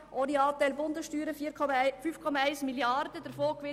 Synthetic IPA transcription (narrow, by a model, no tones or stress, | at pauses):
ʔoɾiɑːt̪ɛlbʊnd̪əsʃtyːɾəɔfʏfkʰɔmɑæɪsmɪljɑɾdəd̪æɾfoːkʋɪ